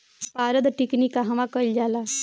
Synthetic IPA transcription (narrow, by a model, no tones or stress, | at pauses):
paːɾəd̪ʈiknikaɦɐʋãkəld͡ʒaːla